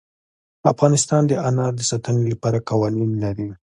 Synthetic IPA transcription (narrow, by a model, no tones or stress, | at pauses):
afɣɑnɪst̪ɑnd̪əanɑd̪əsat̪ənelapɑɾakɑwɑninlaɾi